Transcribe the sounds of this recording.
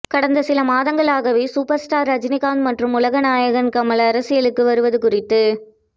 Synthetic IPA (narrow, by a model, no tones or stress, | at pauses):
kɐɽɐnd̪ɐsɪlɐmaːðɐŋɡɐɭaːɣɐʋeːsuːpɐɾsʈaːɾɐd͡ʒɪnɪɣaːnmɐʈrɯmʊlɐɣɐnaːjɐɣɐnkɐmɐlɐːɾɐsɪjɐɭɯkːɯʋɐɾɯʋɐðɯkʊrɪt̪ːɯ